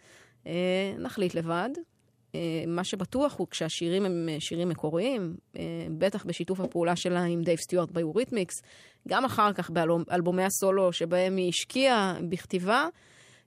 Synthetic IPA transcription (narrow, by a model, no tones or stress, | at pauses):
ʔenʔaχlitle̞vad | emaʃe̞batuaχhukʃeaʃiʁimemʃiʁimːeko̞ʁiimebetaχbeʃitufhapeuːlaʃe̞laimd̪ejvst̪juaʁt̪̚bajuʁitmiks | ɡamaχaʁkaχbeʔalbo̞me̞jaso̞lo̞ʃe̞bae̞miʃkʰiabiχt̪iva